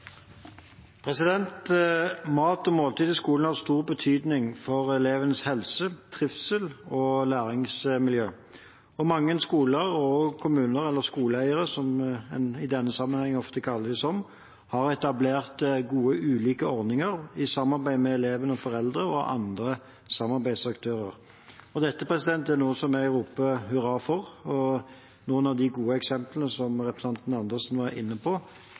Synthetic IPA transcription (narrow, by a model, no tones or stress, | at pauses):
pʰʁɛsɪd̪ɛnt̪mɑːt̪ɔmoːlt̪iːd̪ɪskuːln̩hɑʁst̪uːʁbət̪ʰyːd̪nɪŋfɔʁɛleːʋənəshɛlsət̪ʰʁɪfsəlɔlæːʁɪŋsmɪljøː | ɔmɑŋːənskuːləʁɔkʰʊmʉːnəʁɛlːəʁskuːləæɪəʁəsɔmɛnɪd̪ɛnːəsɑmːənhɛŋːɔft̪əkʰɑlːəd̪ɪsɔm | hɑɾɛt̪ɑbleːʁt̪ɡuːəʔʉːliːkəɔɾd̪ɪŋəɾɪsɑmːɑɾbæɪmɛːleːʋənəɔfɔɾɛld̪ɾəɔʔɑ̰nd̪ɾə | sɑmːɑɾbæɪd̪sɑkt̪ʰøːɾəʁ | ɔd̪ɛt̪ːəpʰɾɛsɪd̪ɛnt̪æɾnuːəsɔmæɾuːpəhʉɾɑfɔʁɔ | nuːənɑʋd̪ɪɡuːəɛksɛmplnəsɔmʁɛpɾəsɑnt̪n̩ɑnd̪ɛsnʋɑɾɪ̰nːəpʰɔ